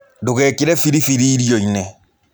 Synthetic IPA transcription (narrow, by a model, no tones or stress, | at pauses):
dokɛkiɾɛfiɾifiɾiːɾjɔinɛ